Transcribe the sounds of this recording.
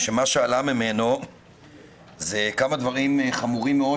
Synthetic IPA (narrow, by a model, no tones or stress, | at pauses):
ʃe̞maʃealamime̞no̞ | zekamad̪vaʁimχamuʁimːeo